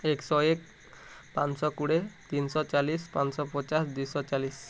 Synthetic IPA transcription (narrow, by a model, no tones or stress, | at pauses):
eksɔek̚ | pat͡ʃsɔkuɽet̪insɔt͡ʃalispansɔpɔt͡ʃasd̪ujsɔt͡ʃalis